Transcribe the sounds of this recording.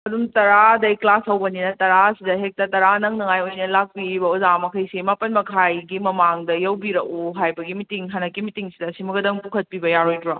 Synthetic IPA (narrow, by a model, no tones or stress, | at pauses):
ɐdumtɐɾadɐiklasɐwbɐninɐtɐɾasidɐɦek̚tɐtɐɾanɐŋnɐŋajojnɐlak̚piɾibɐuzamɐkʰɐjsimapɐnmɐkʰajɡimɐmaŋdɐjɐwbiɾɐkuɦajbɐɡimitiŋɦanɐkːimitiŋsidɐsimɐɡɐdɐŋpukʰɐt̚pibɐjaɾojdɾa